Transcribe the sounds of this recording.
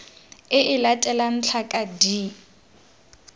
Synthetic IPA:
ɪʔɪlatʼɛlan̩t͡ɬʰakʼadi

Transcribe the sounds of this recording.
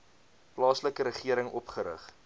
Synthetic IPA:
plɑːsləkəɾəχiəɾəŋʔɔpχəɾə̰χ

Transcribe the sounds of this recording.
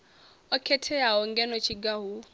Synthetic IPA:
ɔkʰɛtʰɛaɦɔŋɡɛnɔt͡ʃʰiɡaɦu

